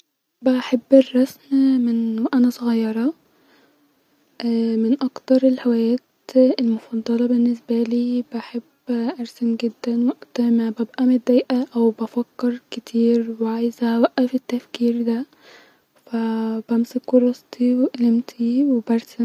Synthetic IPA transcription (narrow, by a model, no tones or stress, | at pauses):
bæħabːerˤːɑsmmenwʔænæsoɣɑjːɑɾˤɑ | ʔæmenʔɑkt̪ɑɾˤelhewæjæːt̪elmofɑd̪ˤːɑlɑbenːes̬bæliːbæħebːʔɑɾˤsenɡed̪ːænwæʔt̪mæbæbʔæmed̪ːæjʔæʔæwbæfækːeɾˤket̪ʰiːɾweʕajezææwæʔːæfet̪ːæfkiːɾd̪æ | fæbæmsekːoɾˤɑst̪ʰiweʔælemt̪ʰiwebæɾˤsen